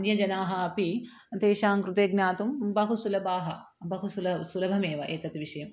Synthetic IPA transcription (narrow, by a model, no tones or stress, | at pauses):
njɐd͡ʒɐnaːɦɐɐpi | t̪eːʃaːŋkɾut̪eːɡnaːt̪umbɐɦusulɐbaːɦɐ | bʱɐɦusulɐsulɐbʱɐmeːʋɐʔeːt̪ɐt̪ʋiʃɐjɐm